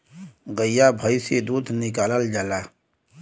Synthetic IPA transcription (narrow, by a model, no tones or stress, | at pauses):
ɡəjabʱəised̪uːd̪nɪkaːləld͡ʒəla